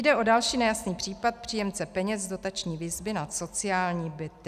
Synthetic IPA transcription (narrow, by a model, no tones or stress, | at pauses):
dɛʔo̞dalʃiːnɛjasniːpr̝̥iːpat̪̚pr̥iːjɛmt͡sɛpɛɲɛzdo̞t̪at͡ʃɲiːvɪzbɪnat̪so̞t͡sɪjaːlɲiːbɪt̪